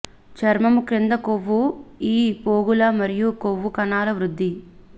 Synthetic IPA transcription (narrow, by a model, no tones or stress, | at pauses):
t͡ʃɐɾmɐmukɾend̪ɐkoʋːuiːpoːɡulɐmɐɾijukoʋːukɐnaːlɐʋɾud̪ʱːi